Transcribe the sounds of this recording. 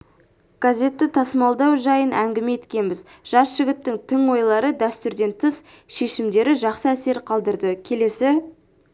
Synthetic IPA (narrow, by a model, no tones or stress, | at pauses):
ɡ̥azʲe̞t̪ːɪt̪ʰɑsəmɑlˠd̪ɑwʒɑjənʔæŋɡʲɪme̞t̪kʲe̞nbɪzʒ̥ɑsʒ̥ɪɡʲɪt̪ːɪŋt̪ʰɪŋwo̞jlˠɑɾəd̪æst̪ʏɾd̪e̞nt̪ʰəs | ʃe̞ʃɪmd̪e̞ɾɪʒɑqsəæse̞ɾqʰɑlˠd̪əɾd̪əkʲʰe̞le̞sɪ